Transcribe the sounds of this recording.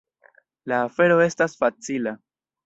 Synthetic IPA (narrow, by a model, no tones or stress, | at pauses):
laːfe̞ɾo̞e̞stasfat͡sila